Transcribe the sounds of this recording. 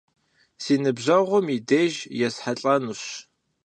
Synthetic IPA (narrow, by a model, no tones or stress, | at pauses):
siːnɨbʑɐʁʷʊmideʒjɛsħaɬʼɐnuɕ